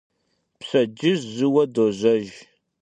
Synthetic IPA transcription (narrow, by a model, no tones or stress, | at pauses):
psɐd͡ʒɪzzɨwɐdoːʑʷɐʒ